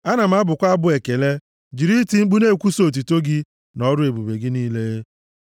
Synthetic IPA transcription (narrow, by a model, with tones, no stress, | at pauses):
a˦na˨m̩˨˦a˦bʊ˨kʷa˦bʊ˦e˨ke˨le˦ | d͡ʒi˨ɾi˦ti˦ŋ͡m̩˦ɡ͡bu˦ne˦˨kʷu˦so˦˨t̬u˨to˦ɡɪ˦ | nɔ˦ɾʊ˦e˨bu˨be˨ɡɪ˦niː˦le˦